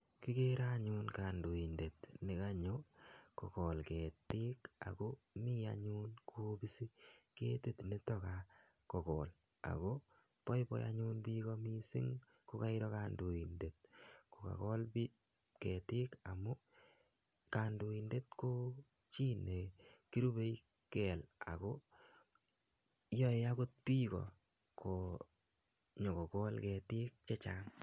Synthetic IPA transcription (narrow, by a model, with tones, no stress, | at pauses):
ki˦ke˦ɾa˦ɲu˦nka˨ndu˨i˨nde˨tnɪ˨ka˦ɲo˦kɔ˨kɔ˨lke˨tɪ˦ka̰˨ko˦ | mi˦a̰˨ɲu˦nkʰu˦bi˦si˦kḛ˦te˨tne˦tɔ˦ka | kɔ˨kɔ˨l | a̰˨ko˦ | pɔ˦jpɔ̰˦ja̰˦ɲu˦nbi˦kɔ˦mi˦sɪ̰˦ŋ | ko˦ka˦ɪ˦ɾɔ˦ka˨ndu˨i˨nde˨t̚ko˨ka̰˨kɔ˦lbi˦ | kɛ˨tɪ˦ka˨mo˦ | ka˨ndu˨i˨nde˦t̪ko˦ | t͡ʃi˦nːe˨ki˦ɾu˦be˦j | kɛ˨la̰˨ko˦ | jɔ˦e˦a˦kʊ˦t̚pi˦kɔ̰˨ | ko˨ | ɲɔ˨kɔ˨kɔ˦lkɛ˨tɪ˦k̚t͡ʃɛ˦t͡ʃa˨ŋ